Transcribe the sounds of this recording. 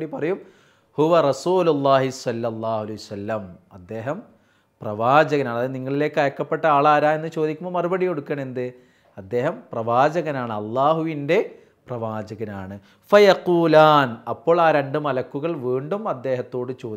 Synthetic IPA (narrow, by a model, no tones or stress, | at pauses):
ɽipɐrɐjum | huʋɐrɐsuːlulːaːɦisɐlːɐlːaːhuɐlɐjusɐlːɐmɐd̪ːe̞ːɦɐm | prɐʋaːd͡ʑɐɣɐnaːɳɐðɨniŋːɐɭile̞ːkːɨɐjɐkːɐpːeʈːɐaːɭaːɾaːe̞nːɨt͡ɕo̞ːd̪ikʲːumːoːmɐrubɐɽijo̞ɽukːɐɳe̞nd̪ɨ | ɐd̪ːe̞ːɦɐmprɐʋaːd͡ʑɐɣɐnaːɳɨɐlːaːɦuʋinde̞ | prɐʋaːd͡ʑɐɣɐnaːɳɨ | fɐjɐquːlaːnɐpːo̞ːɭaːɾe̞ɳɖɨmɐlɐkːuɣɐɭʋiːɳɖumɐd̪ːe̞ːɦɐt̪ːo̞ːɽɨt͡ɕo̞ː